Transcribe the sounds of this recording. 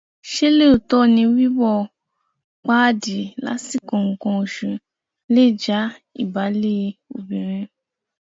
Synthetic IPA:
ʃe˦le˦o˨tɔ˦˨nĩ˧˦wi˦wɔ˧ | k͡pa˦di˨la̰˨˦si˦˨kɔ̃˨ŋ̩˨kɔ̃˧o˨ʃũ˨ | le˦˨d͡ʒa˨˦ḭ˦˨ba˨˦le˦˧o̰˨bĩ˨ɾ̃ĩ˧

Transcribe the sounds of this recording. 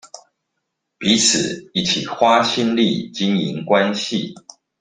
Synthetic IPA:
pi˨˦t͡s̩ʰ˨˩i˨˩t͡ɕʰḭ˨˩xwa˦ɕi˥˦nlḭ˥˨t͡ɕi˦ŋḭ˨˦ŋkwa˦nɕi˥˨

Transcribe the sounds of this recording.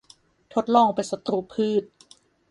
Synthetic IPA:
t̪ʰo˦˥t̪̚lɔː˧˩ŋpa˨jsa˧t̪uː˧˩pʰɯː˥˩t̪̚

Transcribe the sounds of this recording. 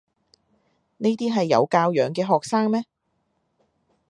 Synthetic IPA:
ne˥t̪iː˥ɦɐ˨jːɐ̰˨˧wkaː˧wjœː˨˥ŋkɛː˧ɦɔː˨k̚saː˥ŋmɛː˥

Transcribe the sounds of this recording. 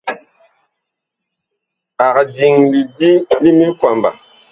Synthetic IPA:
a˨kdi˨ŋli˨di˦li˦mi˦kwa˨mba̰˨

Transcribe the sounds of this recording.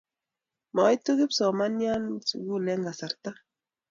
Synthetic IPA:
ma˨˦jtu˦ɡɪ˦psɔ˨ma˦nja˦nsṵ˨ɡu˦˨lɛ˦ŋɡa˨sa˨ɾt̪a˦

